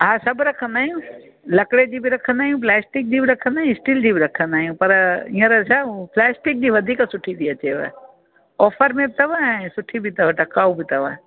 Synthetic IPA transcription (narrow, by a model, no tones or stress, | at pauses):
ɦãsɐbɾɐkʰə̃nd̪aːɦijũ | lɐkɽed͡ʒiːbʱiɾɐkʰə̃nd̪aːijũp̬leːsʈɪk̚d͡ʒiːbiɾɐkʰənd̪aːɦjũsʈild͡ʒiːbiɾɐkʰə̃nd̪aːijũpɐɾĩːə̃ɾɐt͡ʃʰãpleːsʈɪk̚d͡ʒiʋɐd̪ʱiːksʊʈʰid̪iɐt͡ʃeːʋḛ | ɔːpʰəɾmẽt̪ɐʋãsʊʈʰibʱit̪ɐʋəʈɐkaːubʱit̪ɐʋã